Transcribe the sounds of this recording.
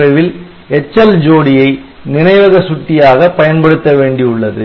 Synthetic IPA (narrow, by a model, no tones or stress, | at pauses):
ɐɪʋɪl | ɛt͡ʃːɐld͡ʒoːɽɪjɐɪ | nɪnɐɪʋɐɣɐsʊʈ̪ːɪjaːɣɐpːɐjɐnpɐɽɯt̪ːɐʋeːɳɖiʊɭːɐðɯ